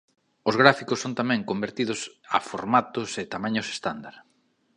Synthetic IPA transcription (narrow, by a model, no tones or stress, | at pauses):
ozɣɾafikʊsːont̪amɛ̃ŋkombeɾt̪ið̞ʊsa̰foɾmat̪ʊsɪt̪amãɲʊse̥st̪and̪aɾ